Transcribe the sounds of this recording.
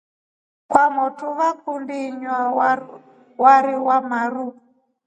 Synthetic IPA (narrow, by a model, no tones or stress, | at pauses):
kwamɔtʰuβak̚undiɲwa | waɾiwam̤aɾu